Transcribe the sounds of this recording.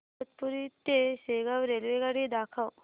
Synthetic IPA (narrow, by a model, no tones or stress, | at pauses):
ət̪puɾit̪eseɡaʋɾelʋeɡaɽid̪akʰaw